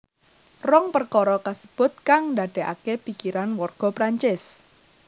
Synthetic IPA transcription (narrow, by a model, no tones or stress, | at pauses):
rɔŋpərkɔɾɔkasə̥b̥ʊt̪̚kaŋndaɖ̥ɛ̤ʔa̰kepikiɾanwɔrɡ̥ɔ̤pɾaɲt͡ʃɪs